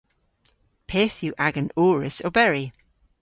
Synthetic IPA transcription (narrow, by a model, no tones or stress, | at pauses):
pʰeːθjuʔaɡənoːɹɪso̰bɛɹi